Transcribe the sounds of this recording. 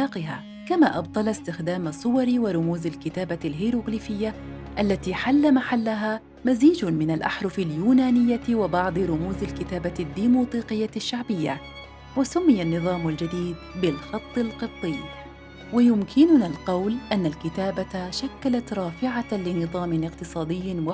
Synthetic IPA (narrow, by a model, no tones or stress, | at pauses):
aːqɪɦa̰ː | kamaːʔɑbd̪ˤɑlɑst̪ɪxd̪aːmasˤːʊwɑɾwɪɾˤʊmuːzɪlkɪt̪aːbalɦiːɾuɡliːfɪjːa | ʔalːat̪iːħalːamaħalːaɦaː | maziːd͡ʒmɪnalʔaħɾˤʊfaljuːnaːnɪjːawɪbɑʕd̪ˤɨɾʊmuːzɪlkɪt̪aːbad̪ːiːmuːt̪ˤiːqɨjːaʃːaʕbɪjːa̰ | wasʊmːɪjanːɨðˤɑːmʊld͡ʒad̪iːd̪̚bɪlxɑt̪ˤːɪlqɨt̪ˤːɨː | wajʊmkʰɪnʊnalqɑwlʔanːalkɪt̪aːbaʃakːalat̪ɾˤɑːfɪʕalɪnɨðˤɑːmɪnɪqt̪ɨsˤɑːd̪ɪjːɪwa